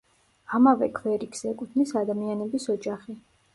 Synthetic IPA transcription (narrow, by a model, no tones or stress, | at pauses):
amavɛkʰvɛɾikʰsɛkʼut̪ʰnisad̪amianɛbisɔd͡ʒaχi